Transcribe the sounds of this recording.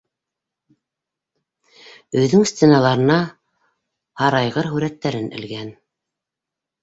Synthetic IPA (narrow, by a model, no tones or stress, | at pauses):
ɵ̆jðɵŋst̪ʲenɑlˠɑɾɤ̆nɑ | hɑɾɑjʁɤɾɦʉɾæt̪ːæɾɘnɘ̰̆lɡæn